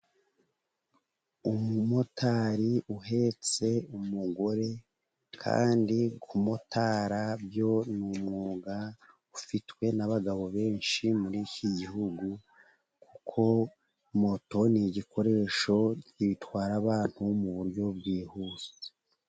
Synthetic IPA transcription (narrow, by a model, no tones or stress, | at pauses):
umumo̞tʰaɾiuɦe̞t͡se̞umuɡo̞ɾe̞ | kʰa̰ːndikʰumo̞tʰaːɾabjo̞numŋuːɡa | ufitwe̞naβaɡaβo̞βe̞ːnʃimuɾiːciɟihuɡu | kukʰo̞ | mo̞to̞niɟikʰo̞ɾe̞ːʃo̞ciβitwaːɾaβaːn̥humuβuɾɟo̞bɡiːhuːze